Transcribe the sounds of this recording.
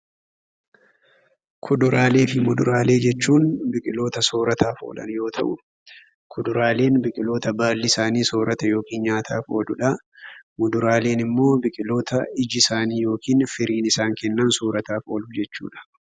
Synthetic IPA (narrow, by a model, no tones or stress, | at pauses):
kʰʊd̪ʊɾaːle̞ːfɪmʊd̪ʊɾaːle̞ːd͡ʒɛt͡ʃːuːnbɪkʼɪlo̞ːt̪ɐso̞ːɾɐt̪ʰaːfo̰ːlɐ̰njo̞ːt̪ʰɐ̰ʔʊ | kʰʊd̪ʊɾaːle̞ːnbɪkʼɪlo̞ːt̪ɐbaːlːɪsaːniːso̞ːɾɐt̪ɐjo̞ːkiːnɲaːt̪ʰaːfo̞ːlʊᶑɐ | mʊd̪ʊɾaːle̞ːnɪmːo̞ːbɪkʼɪlo̞ːt̪ɐɪd͡ʒɪsaːniːjo̞ːkiːnfɪɾiːnɪsaːŋkɛnːɐnsoːɾɐt̪aːfo̞̰ːlʊd͡ʒɛt͡ʃːṵːᶑɐ̥